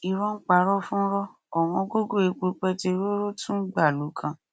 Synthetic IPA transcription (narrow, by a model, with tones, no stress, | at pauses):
i˨ɾɔ̃˦n̩˦k͡pa˧ɾɔ˦fũ˦ɾɔ˦ | ɔ˨w̃ɔ̃˧ɡo˦ɡo˦˨e˨˧k͡po˧k͡pɛ˦te˧ɾo˦ɾo˦tũ˦ɡ͡ba˦˨lu˨˦kʰã˧